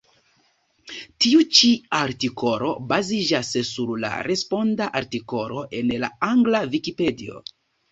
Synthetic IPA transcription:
tiut͡ʃiaɾtiko̞lo̞̰bazid͡ʒasːuɾla̰ɾe̞spo̞ndaʔaɾtiko̞lo̞ʔe̞nla̰aŋɡlavikipe̞dio̞̰

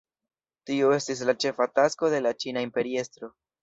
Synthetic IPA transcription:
tio̞e̞stis̬lat͡ʃe̞fatasko̞de̞lat͡ʃinaimpe̞ɾie̞stɾo̞

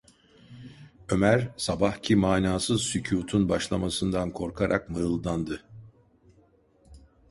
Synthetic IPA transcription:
ø̞mæɾsabahcʰimaːnaːsɯzsycʰuːt̪ʰunbaʃlˠamasɯnd̪ankʰo̞ɾkʰaɾʔa̰kmɯɯlˠd̪and̪ɯ

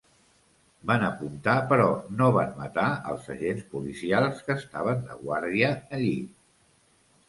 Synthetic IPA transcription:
banəpunt̪apəɾɔnoβanmət̪aə̰lˠzəʒenspulisialˠskəːst̪aβ̞ənd̪əɣwaɾðiəːʎi

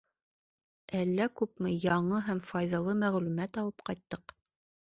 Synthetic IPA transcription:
ælːækʉpmɘjɑɴɤɦæmfɑjðɑlˠɤmæʁlʉmæt̪ɑlˠɤpqɑjt̪ːɤq

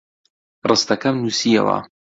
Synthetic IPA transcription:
rɨst̪ɐkɐmnuːsiɐ̰wɐ̰

